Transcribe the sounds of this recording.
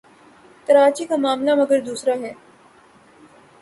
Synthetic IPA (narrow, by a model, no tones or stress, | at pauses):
t̪ɐɾaːt͡ʃikamaːmlamɐɡəɾd̪uːsɾaɦɛː